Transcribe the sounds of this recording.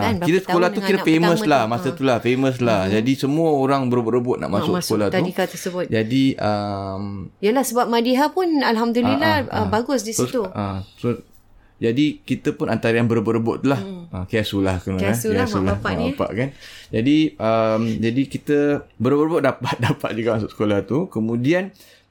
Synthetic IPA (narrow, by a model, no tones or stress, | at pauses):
əanit̪əsə̥olah̪ukiɾəfeməslahmasət̪ulahfeməslahd͡ʒadisəmuəoɾaŋbəɾboʔɾəbʊʔ̪̚na̰ʔmasʊksə̥olaht̪uikat̪əsəbʊt̪d͡ʒadiəmijəlahsəbap̚madiɦapʊnalɦamd̪ulilahə̰baɡʊsdisst̪uəsos | d͡ʒadikit̪əpʊnant̪aɾəjanbəɾbəɾəbʊtʔt̪ːulahəkasulahkunssulaha̰apa̰ʔkand͡ʒadiəmd͡ʒadikit̪əbəɾbəɾbʊtʔ̚dapat̪̚dapa̰t̪̚d͡ʒuɡaʔmasʊksə̥kolaht̪ukəmũdian